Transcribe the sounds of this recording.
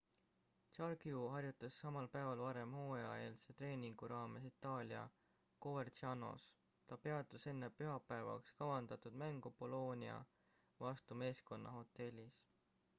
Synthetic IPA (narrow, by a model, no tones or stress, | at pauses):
t͡ʃɑrɡ̥juɦɑrjut̪ːˑɑsːɑmɑlpæevɑlvɑɾe̞mho̞ːɑe̞ːlset̪re̞ːniŋɡ̥uɾɑːme̞sit̪ːˑɑːlʲiɑ̰ | kovert͡ʃɑno̞̰s | t̪ɑpe̞ɑd̪̥use̞nːepyɦɑpːæevɑ̰kskɑvɑnd̪̥ɑt̪ud̪̥mæŋɡ̥upo̞lo̞ːniɑ̰ | vɑst̪ume̞ːsko̞nːʔɑho̞t̪ˑːe̞lʲːis